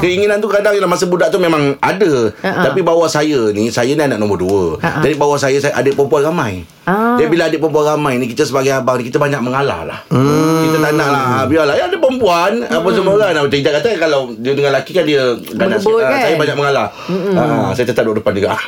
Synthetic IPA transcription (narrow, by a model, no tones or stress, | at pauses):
kəiŋinant̪ukadaŋəlahmasəbudaʔt̪umẽmãŋadət̪apibawahsajənisajənianaʔnɔ̃mbɔrduəd͡ʒadibawahsajəsaʔa̰dəpəmpuanramãj | abilaadəpəmpuanramajnikit̪əsəbaɡajabaŋnikit̪əbaɲak̚məŋala̰la̰hkit̪ət̪anaʔlahbialajaadəpəmpuanapasəmoɡaŋnapat͡ʃəid̪aʔkat̪akalawdiədəŋanlakikandiəɡanassajəbaɲak̚məŋala | aʔsajət̪ət̪ap̚duadəpand͡ʒuɡa̰